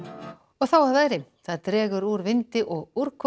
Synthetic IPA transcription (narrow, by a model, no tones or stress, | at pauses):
ɔɣθawavaːjɾɪθaðt̪ɾɛːɣʏɾuɾvɪnt̪ɪʔɔɣuɾ̥kʰɔ